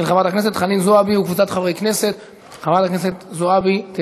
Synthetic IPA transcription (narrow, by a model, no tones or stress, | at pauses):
lχavʁat̪akne̞set̪χaninzoabiukvut͡sat̪χavejkne̞set̪ | χavʁat̪akneset̪zoabit̪e